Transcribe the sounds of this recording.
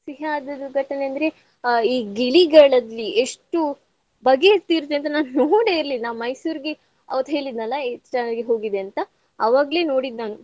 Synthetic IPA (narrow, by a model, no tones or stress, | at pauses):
siɦaːd̪ɐd̪uɡʱɐʈɐneɐnd̪ɐɾe̞ | iːɡiɭiɡɐɭɐlːieʂʈu | bɐɡet̪iːɾt̪ːeɐnt̪̬ɐnaːnunoːɽeiɾlinːaːmɐjsuːɾiɡe | ɐ̰ʋɐd̪ɦe̞ːɭid̪nɐlːɐʈɐnɐlɡeɦo̞ːɡid̪eɐnt̪ɐ | ɐʋaːɡɐle̞ːno̞ːɽid̪naːnu